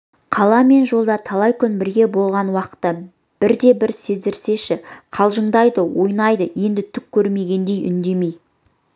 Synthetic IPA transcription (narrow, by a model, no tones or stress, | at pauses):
qʰɑlˠɑme̞nʒo̞lˠd̪ɑt̪ʰɑlˠɑjkʲʰʏnbɪɾɡʲe̞bo̞lˠʁɑnwɑqə̥t̪ːə | b̥ɪɾd̪e̞bɪɾse̞zd̪ɪɾse̞ʃɪqʰɑlˠʒəɴd̪ɑjd̪əwo̞jnɑjd̪əje̞nd̪ɪt̪ʰʏk̚ʲʰːɵɾme̞ɡʲe̞nd̪e̞jʔʏ̰nd̪e̞mej